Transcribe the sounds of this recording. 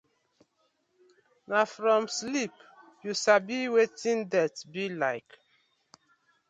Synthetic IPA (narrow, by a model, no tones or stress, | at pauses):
nafɹɔ̃mslip | juʃabiwetĩndɛtbilaɪk